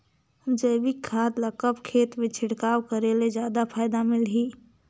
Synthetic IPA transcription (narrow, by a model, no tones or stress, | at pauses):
ʊd͡ʒəːbɪkʰːaːt̪ləkəpkʰeːt̪mẽt͡ʃʰɪɽkaːwkəɾelezjaːd̪apʰaːɪd̪amɪlɦiː